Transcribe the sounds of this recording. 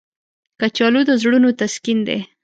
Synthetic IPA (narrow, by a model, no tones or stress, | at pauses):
kat͡ʃɑlud̪əzɽunot̪askind̪ḛ